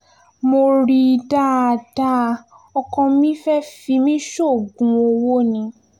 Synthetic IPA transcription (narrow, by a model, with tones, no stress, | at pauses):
mo˧ɾi˧da˦a˧da˦˧ | ɔ˧kɔ̃˧˦mĩ˦fɛ˦fi˧mĩ˦ʃo˦˨ɡũ˨˧˦o˧wo˦nĩ˧